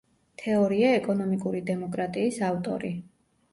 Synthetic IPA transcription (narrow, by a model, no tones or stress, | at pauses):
t̪ʰɛɔɾiaɛkʼɔnɔmikʼuɾid̪ɛmɔkʼɾat̪ʼiːsavt̪ʼɔ̰ɾi